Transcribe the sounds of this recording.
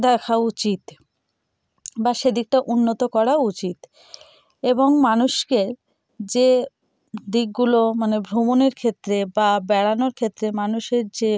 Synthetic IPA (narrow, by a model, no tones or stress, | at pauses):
d̪ɛkʰaut͡ɕit̪ | baʃed̪ik̚ʈaʔunːot̪okɔɾaut͡ɕit̪ | eboŋmanuʃkeɾ | d͡ʑe | d̪ik̚ɡulomanebʱɾomoneɾkʰet̪ːɾebabɛɽanoɾkʰet̪ːɾemanuʃeɾd͡ʑe